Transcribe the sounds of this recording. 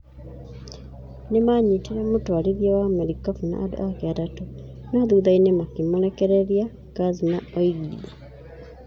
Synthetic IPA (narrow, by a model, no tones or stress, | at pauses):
nemaɲitiɾamotwaɾiðjawamɛɾikafuna̰ʔado̰akɛatatonaðuðainemakimoɾɛkɛɾɛɾia | kazinaɔiɡiɾia